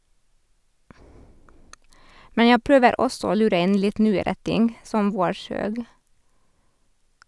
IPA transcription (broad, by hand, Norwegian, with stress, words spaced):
ˈmɛn ˈjæ ˈpɾøːʋəɾ ˈɔsɔ ˈoː ˈlʉːɾə ˈɪn ˈlɪt ˈnyːəɾə ˈtɪŋɡ ˈsɔm ˈʋoːˌʃøːɡ